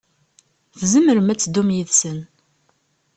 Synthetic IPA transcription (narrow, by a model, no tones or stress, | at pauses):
θzəməɾəmæt͡sːd̪ːumjəðsən